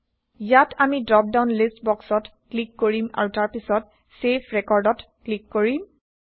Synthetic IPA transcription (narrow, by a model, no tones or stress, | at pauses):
jatʰamidɹɔp̚daʊnlistbɔksɔtklikːoɹima̰ɹutaɹpisɔt | sepʰɹɛkɔɹdɔtklikːoɹim